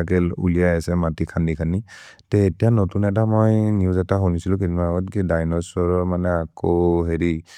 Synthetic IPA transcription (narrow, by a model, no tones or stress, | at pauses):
akɛlṵlijajasɛmatikʰandikʰani | tɛːtijanotunɛt̬amojniuzɛtaɦonisilʊ̃kitimaɡɔtkidajnɔsɔɹɔmanɛakoɦeɹi